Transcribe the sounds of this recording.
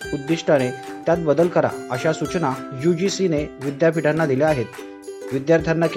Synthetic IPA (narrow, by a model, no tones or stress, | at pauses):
ud̪ːiʂʈʰaɽ̃et̪jat̪̚bəd̪əlkəɾa̰əɕasut͡ɕnajud͡ʑisineʋid̪japiʈanːad̪ileaɦet̪ | ʋid̪jaɾt̪ʰjanːak